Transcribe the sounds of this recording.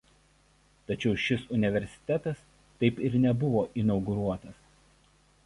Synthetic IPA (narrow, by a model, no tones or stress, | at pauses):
t̪ɐt͡ʃʲɛʊʃʲɪsʊnʲɪʋʲɛɾʲsʲɪ̥t̪ʲɛt̪ɐs | t̪ɐɪpɪɾnʲɛbʊʋoːʔɪnɒʊɡʊɾuɔt̪ɐs